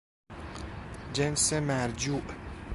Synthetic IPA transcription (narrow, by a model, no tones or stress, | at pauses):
d͡ʒensemæɾd͡ʒuːʔ